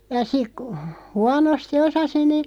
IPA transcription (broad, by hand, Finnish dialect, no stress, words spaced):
jɑ sik kŭ huɑnosti osɑsi niː